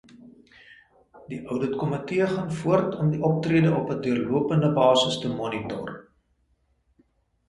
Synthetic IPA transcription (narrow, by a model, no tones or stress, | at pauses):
diʔœwdətkɔmətiəχɑnfuərtʰɔmdiʔɔp̚triədəʔɔpəduərluəpəndəbɑːsəstəmɔnitɔ̰r